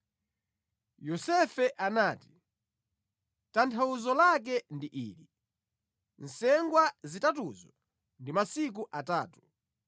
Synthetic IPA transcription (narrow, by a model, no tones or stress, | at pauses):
jɔsɛfɛʔanaːti̥ | tantʰauzɔlak̬ɛndiʔḭːli | n̩sɛŋɡwazitatuzɔ | ndimasik̬uʔataːtu̥